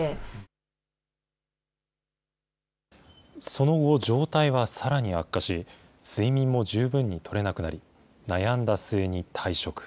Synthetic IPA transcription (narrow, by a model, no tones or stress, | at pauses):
e | so̞no̞ɯoʑo̞ːt̪aiβasaɾaɲ̟iakːaɕi | sɨimʲĩmːo̞d͡ʑɨːbɯ̟̃ɲ̟ːit̪ʰo̞ɾe̞nakɯ̟naɾʲi | najãnd̪asɨeɲ̟it̪ʰaiɕo̞kɯ̟̥